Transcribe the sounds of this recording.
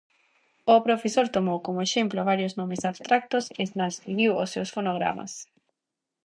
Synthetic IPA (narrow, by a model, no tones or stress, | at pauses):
ʊpɾofesoɾt̪omowkomoeʃemploβaɾjoznõmesaβst̪ɾak̚t̪oseznastiɣiwosːewsfonoɣ̞ɾa̰ma̰s